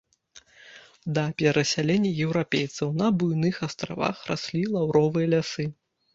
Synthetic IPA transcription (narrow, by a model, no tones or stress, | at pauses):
d̪ɐpʲɛɾɐsʲalʲenʲːɐjɛwɾapʲejt̪sɐwnɐbujnɨxast̪ɾa̰va̰xra̰sʲlʲilˠawɾɔvɨjɐlʲasɨ